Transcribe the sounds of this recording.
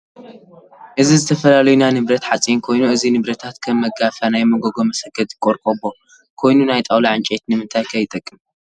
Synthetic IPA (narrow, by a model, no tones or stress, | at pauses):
ʔɨzizɨt̪ʰɐfɐlalɐjunanɨβɾɐt̪ħat͡sʼinkʰo̞jnuɨzinɨβɾɐt̪ʰat̪kʰɐmːɐɡafanajmɐɡoɡo̞mɐsɐɡɐd̪ɨkʼoɾkʼobo̞ | kʰo̞jnunajt̪ʼɐwlaʕɨnt͡ʃʼɛt̪nɨmɨnt̪ʰajkʰɐjːɪt̪ʼɐkʼːɨm